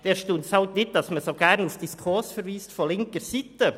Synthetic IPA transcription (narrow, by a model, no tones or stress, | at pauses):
d̥eːʃtuntshɑltnɪt̚d̥ɑsməsoːɡæɾnufd̥iskʰʊɾsfəɾʋiːstfɔlɪŋkəɾsiːtə